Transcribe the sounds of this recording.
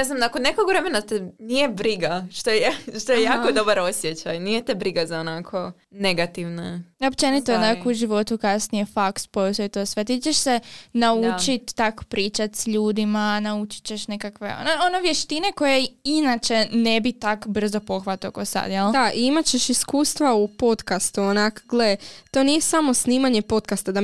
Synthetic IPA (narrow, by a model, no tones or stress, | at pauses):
neznamakonːekoɡʋɾe̞menat̪enijebɾiɡaʃt̪ojʃt̪ojejaːkod̪o̞baɾosjet͡ɕajnijet̪ebɾiɡazaonakʰo̞ | ne̞ɡat̪iʋnaopt͡ʃe̞nit̪oonakouʒiʋo̞t̪ukasnijefakspost̪ojit̪oːsʋe̞t̪it͡ʃeʃsenaut͡ʃit̪ːako̥pɾiːt͡ʃat̪sʎuːd̪imanaut͡ʃi̥t͡ɕe̞ʃne̞kakʋe̞̰o̰noonoʋje̞ʃt̪ine̞ko̞jeinat͡ʃe̞ne̞bit̪akbr̩zo̞po̞xʋat̪okosa̰d̪jeld̪aʔiimat͡ɕe̞ʃiskuːst̪ʋaupo̞t̪kast̪uonakoɡlet̪o̞nijesamo̞sniːmaɲe̞po̞t̪kast̪ad̪a